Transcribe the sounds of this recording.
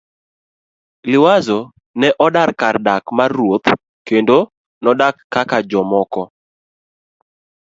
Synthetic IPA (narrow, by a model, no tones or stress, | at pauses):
lɪwazo | nɛʔɔdarkardakmarwot̪ | kendo | nɔdakːakad͡ʒɔmɔkɔ